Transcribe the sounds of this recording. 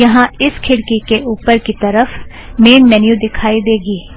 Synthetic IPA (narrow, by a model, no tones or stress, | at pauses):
jɐɦãɪskʰɪɽkikeʔuːpəɾkit̪ɐɾəf | meːnmɛnjud̪ɪkʰaːid̪eːɡiː